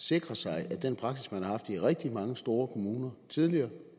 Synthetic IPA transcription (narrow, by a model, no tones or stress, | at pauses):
se̝ɡ̥ʁɐsɑ̈ɪʔæd̥enpʰʁɑ̈ɡ̥sismænhɑ̈hɑ̈fd̥iʁɛɡ̥̚d̥imɑ̈ŋəsd̥o̝ːɐkʰo̝muːnɐt͡sʰið̞ˠliɐː